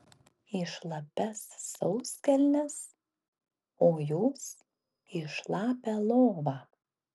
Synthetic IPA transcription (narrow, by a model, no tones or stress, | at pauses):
ɪʃlˠɐpʲɛsːɒʊsʲkʲɛlʲnʲɛs | oːjuːs | ɪʃlˠɑːpʲɛlˠoːʋɑː